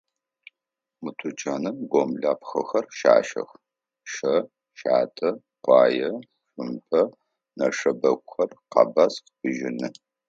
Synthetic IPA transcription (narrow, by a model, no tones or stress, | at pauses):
mɨtʰʊt͡ʃʼaːnɨmɡʷomɮaːpxɐ̰xɐrʃa̰ːʃɐ̰x | ʃɐ | ʃaːtʰɐ | qʷɑːjɐ | ɕʷʊmpʰʼɐ | nɐʂɐbɐkʷʼʊxɐrqɑ̰basqbɨʒɪnɨ